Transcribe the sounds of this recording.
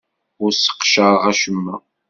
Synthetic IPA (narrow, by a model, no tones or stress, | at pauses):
ʊɾsə̥qʃəʁæʃəmːæ̰